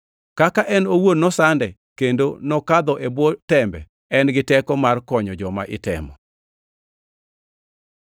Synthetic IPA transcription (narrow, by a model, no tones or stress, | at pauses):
kakaʔɛnowodnːɔsandɛ | kendonɔkad̪ɔʔebwɔtɛmbɛ̰ | ɛnɡɪtɛkɔmarkɔɲɔd͡ʒɔma̰ʔɪtɛ̰mɔ